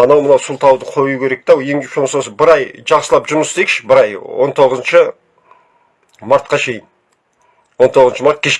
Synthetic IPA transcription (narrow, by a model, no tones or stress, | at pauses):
ɑnɑwmənɑwsʊlˠt̪ʰɑwd̪əqʰo̞jukʲʰe̞ɾe̞k̚t̪æwje̞ŋeʃonsosəbɪɾɑjʒɑqsəlˠɑpʒʊɾməst̪eekʃɪ̥bɪɾɑjwo̞̰nt̪ʰo̞ʁəzənʃə | mɑɾt̪̚qɑʃe̞jɪn | wo̞nt̪ʰo̞ʁəznʃəmɑɾt̪̚kʲʰe̞ʃ